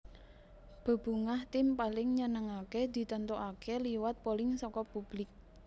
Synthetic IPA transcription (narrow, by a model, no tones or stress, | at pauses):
b̥ə̤b̥ṳŋaht̪ɪmpalɪŋɲənəŋaked̪̥i̤t̪ənt̪uʔakeliwat̪̚polɪŋsɔkɔpub̥lɪk̚